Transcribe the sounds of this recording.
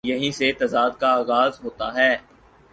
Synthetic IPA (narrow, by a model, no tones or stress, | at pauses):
jɐɦĩset̪ɐzaːd̪̚kaaːɣaːzɦoːt̪aɦɛː